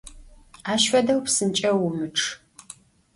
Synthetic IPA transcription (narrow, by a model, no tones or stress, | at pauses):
aːʃfɐdɐwpsɨnt͡ʃʼɐwʊmɨʈ͡ʂʰ